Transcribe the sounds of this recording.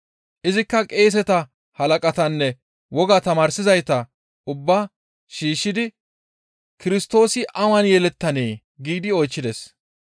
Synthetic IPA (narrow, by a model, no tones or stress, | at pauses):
ʔɪzɪkːɐkʼe̞ːs̬ɛt̪ɐ | hɐlɐkʼɐt̪ɐnːɛ | wɔɡɐt̪ɐmaːɾsɪzɐjt̪ɐ | ʔʊbːaː | ʃiːʃːɪd̪ɪ | kɪɾɪst̪o̞ːsɪʔɐwɐnjɛlɛt̪ːɐneː | ɡiːd̪ɪɔjt͡ʃːɪd̪es